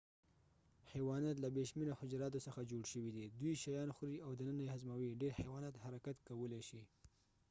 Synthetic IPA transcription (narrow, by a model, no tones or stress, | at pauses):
hewɑnat̪̬labeʃmɪnohʊd͡ʒɾɑt̪osəxad͡ʒoɽʃəwid̪id̪wujʃajɑnxɾiawd̪ənənajehazmawiɖeɾhewɑnat̪haɾakat̪kawəleʃi